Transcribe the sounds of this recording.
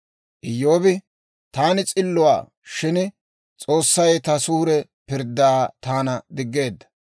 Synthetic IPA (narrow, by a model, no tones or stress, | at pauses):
ʔɪjːo̞ːbɪ | t̪aːnɪt͡sʼɪlːʊwa̰ː | ʃɪn | t͡sʼo̞ːsːɐjt̪ɐsuːɾɛ | pɪɾd̪ːaaːt̪aːnɐd̪ɪɡːe̞ːd̪ːɐ̥